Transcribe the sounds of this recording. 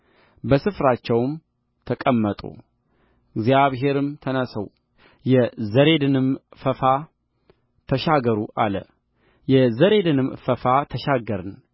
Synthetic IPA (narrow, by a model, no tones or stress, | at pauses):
bəsɨfɾat͡ʃːɛwm | t̪ʰəkʼəmːət̪ʼo̰ | ɪɡzjaβɦe̞ɾɨmt̪ʰənəsəw | jɛzəɾe̞d̪ɨnɨmfəfa | t̪ʰəʃaɡəɾuʔalə̰ | jɛzəɾe̞d̪ɨnɨmfəfat̪ʰəʃaɡəɾɨn